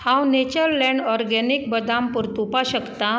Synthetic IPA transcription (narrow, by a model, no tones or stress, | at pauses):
hãwnet͡ɕəɾlɛ̃ɳɖɔɾɡɛnikbəd̪ampuɾt̪upaɕəkt̪a